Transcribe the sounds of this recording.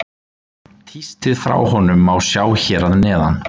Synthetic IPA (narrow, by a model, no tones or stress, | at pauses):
t̪ʰist̪ɪðfɾa̰whɔnʏmawsjaːwçɛːɾaðnɛːða̰n